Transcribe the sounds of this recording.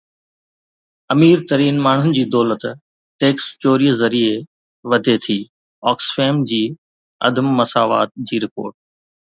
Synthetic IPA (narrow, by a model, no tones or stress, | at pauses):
ɐmiːɾt̪ɐɾiːnmaːɳ̤ʊnɪ̆d͡ʑiːd̪ɔːlət̪ | ʈeːkst͡ɕoːɾiːzɐɾie | ʋɐd̪ʱet̪ʰiː | ɔːksfeːmd͡ʑiː | ɐ̰d̪ʱəmːɐsaːʋa̰ːt̪̚d͡ʑiːɾɪpo̰ːɾʈ̚